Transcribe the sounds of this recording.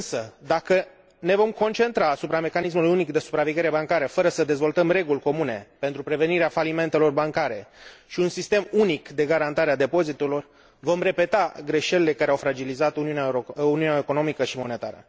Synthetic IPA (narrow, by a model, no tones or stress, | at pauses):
ɨnsəd̪akə | ne̞vo̞mko̞nt͡ʃe̞nt̪ɾaːsupɾame̞kanis̬mulujunikd̪e̞su̥pɾaveɡʲe̞ɾe̞baŋkaɾəfəɾəsəd̪e̞zvo̞lt̪əmre̞ɡulʲko̞mune̞pe̞nt̪ɾupɾe̞ve̞niɾeafalime̞nt̪e̞lo̞rbaŋkaɾe̞ʃiunsist̪e̞munikd̪e̞ɡaɾant̪aɾead̪e̞po̞zit̪elo̞r | vo̞mre̞pe̞t̪aɡɾe̞ʃe̞lele̞kaɾeawfɾad͡ʒilizat̪uniuneuniunaeko̞no̞mikəʃimo̞ne̞t̪a̰ɾə̰